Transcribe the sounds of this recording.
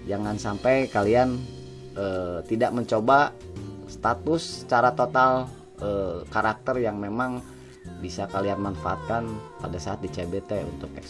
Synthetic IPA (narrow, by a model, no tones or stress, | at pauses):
d͡ʒaŋansampajkalian | ət̪idaʔməɲt͡ʃobast̪at̪ʊst͡ʃaɾat̪ot̪al | ʔəkaɾak̚t̪ərjaŋmemaŋ | bisakalianmanfaa̰t̪̚kanpadasaːt̪̚dit͡ʃebet̪eṵnt̪ʊk̚ɛks